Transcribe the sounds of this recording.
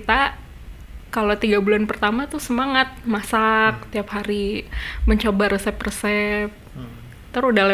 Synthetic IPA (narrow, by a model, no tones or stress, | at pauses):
it̪a | kalot̪iɡabulanpərt̪amat̪usəmaŋat̪̚masak̚t̪iapɦaɾiməɲt͡ʃobaɾəsɛprəsɛp̚ | t̪əɾudala